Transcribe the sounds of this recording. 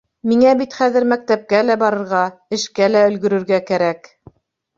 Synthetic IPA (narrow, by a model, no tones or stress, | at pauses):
miŋæbit̪χæðɘ̆ɾmæk̚t̪æp̚kælæbɑɾɤ̆ɾʁɑɘ̆ʃkælæɵ̆lɡɵ̆ɾɵ̆ɾɡækæɾæk